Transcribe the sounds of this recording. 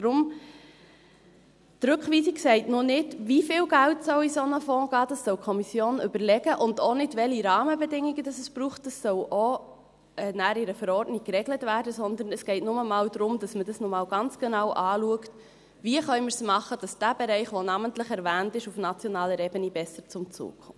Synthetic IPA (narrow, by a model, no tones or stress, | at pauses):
d̥ɾʊm | tɾɵkχʋiːsiksɛɪtnʊnɪdʋifɪːlɡæltsœwisɔnəfɔ̃ːɡ̥ɑːd̥ɑsːœwkʰɔmisjoːnʏbəɾlɛɡəʔʊndonɪdʋɛliɾɑːməbɛdɪŋiɡəd̥ɑsəsb̥ɾuːχtd̥əsːœwʔo | ɛnæːɾɪɾəfəɾɔɾdnɪk̚kːrɛɡlətvæːɾdəsɔnd̪ən̩ɛsɡ̥ɛɪtnʊməmɑːld̪ɾʊmd̥ɑsmədɑsnomɑːwɡ̥ɑnt͡sɡ̥ɛnɑwʔɑːluəkt | viəχœʏmɪɾsmɑχːəd̥ɑsd̥æbɛɾɛɪχʋonɑməntləχɛɾvæːntɪʃufnɑt͡sjɔnɑːləɾebənibɛsəɾt͡sʊmt͡sṵːkʰʊ̰m